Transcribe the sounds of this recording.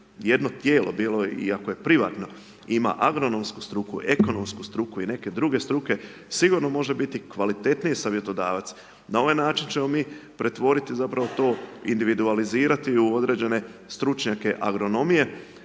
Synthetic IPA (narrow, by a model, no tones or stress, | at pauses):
je̞d̪no̞t̪je̞ːlo̞biːlˠo̞ḭakoje̞pɾiʋaːt̪no̞ | ima̰ʔaɡɾo̞no̞msku̥st̪ɾukṵʔe̞ko̞no̞mskust̪ɾukuine̞ke̞d̪ɾuɡe̞st̪ɾuke̞ | siɡuɾno̞mo̞ʒebit̪ikʋalit̪e̞t̪niesaʋje̞t̪o̞d̪aːʋat̪s | nao̞ʋajnaːt͡ʃint͡ʃe̞mo̞miːpɾe̞t̪ʋo̞ɾit̪izapɾaʋo̞t̪o̞ːḭnd̪iʋid̪ualiziːɾat̪iuo̞d̪ɾe̞ːd͡ʑe̞ne̞st̪ɾut͡ʃɲake̞ʔa̰ɡɾo̞no̞mije̞